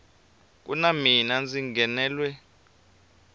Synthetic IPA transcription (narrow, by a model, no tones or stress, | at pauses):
k̬ʼunaminand͡ziŋɡɛnɛːlwɛ